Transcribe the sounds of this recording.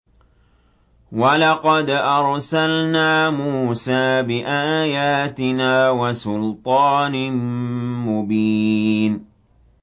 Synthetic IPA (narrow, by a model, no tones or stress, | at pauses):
walɑqɑd̪ʔɑɾˤsalnaːmuːsaːbɪʔaːjaːt̪ɪnaːwasʊlt̪ˤɑːn | mʊbiːn